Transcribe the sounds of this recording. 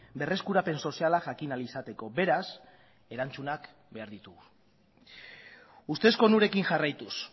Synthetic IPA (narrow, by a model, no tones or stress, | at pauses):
be̞re̞skuɾape̞nso̞sialaʝakinalisat̪e̞ko̞be̞ɾas | e̞ɾant͡sunak | be̞aɾðit̪uɣu | ust̪e̞sko̞nuɾe̞kiŋʝarajt̪us